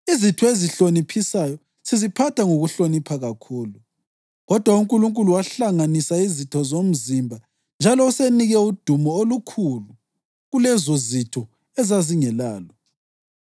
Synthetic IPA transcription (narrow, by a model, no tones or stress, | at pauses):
izitʰɔeziɬonipʰisajɔ | sizipʰatʰaŋoɣuɬonipʰaɣakʰuːlu | ɣɔd̥ʱwauŋkʼuluŋkʼuluwaɬaŋanisaizitʰɔzom̩zimbʱa | nd͡ʒʱalɔuseniɣɛud̥ʱumɔolukʰulu | ɣulɛzozitʰɔ | ɛzaziŋɛlaːlɔ